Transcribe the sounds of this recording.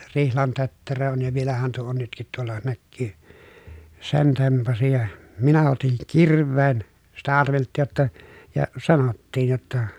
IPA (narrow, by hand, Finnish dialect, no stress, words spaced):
rihlɑn tøtːerø on jɑ ʋielæhæn tuo on nytkit tuolːɑ nækːyː sen tempɑsi jɑ minæ otiŋ kirˑʋˑeːn sitæ ɑrʋeltːiːj jotːɑ jɑ sɑnotːiːj jotːɑ